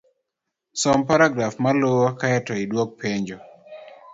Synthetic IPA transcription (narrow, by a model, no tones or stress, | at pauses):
sɔmpaɾaɡɾafmalowɔkaɛtɔidwok̚pʰeɲd͡ʒɔ